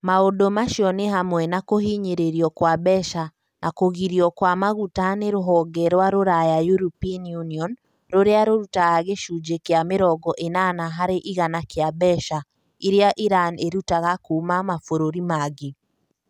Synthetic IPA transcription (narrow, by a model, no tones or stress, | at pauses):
maodomaʃiɔneɦamwɛnakoɦiɲeɾeɾiɔkwabɛʃa | nʔakoɣiɾiɔkwamaɣutaneɾoɦɔɡɛɾwaɾoɾajajuɾupinjuniɔn | ɾoɾeaɾoɾutaɣaɣeʃud͡ʒekeameɾɔɡɔʔenanaɦaɾeʔiɣanakeabɛʃa | iɾeaʔiɾaneɾutaɣakuːmamafoɾoɾimaɣe